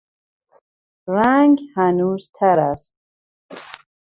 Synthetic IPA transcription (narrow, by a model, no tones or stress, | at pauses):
raŋɡhanuːzt̪ʰaɾast̪̚